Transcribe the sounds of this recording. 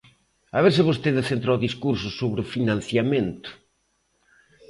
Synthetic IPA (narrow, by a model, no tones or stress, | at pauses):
aβeɾsɪβost̪eðɪθent̪ɾawðiskuɾsʊsoβɾɪʊfinãn̟θjamẽnt̪ʊ̥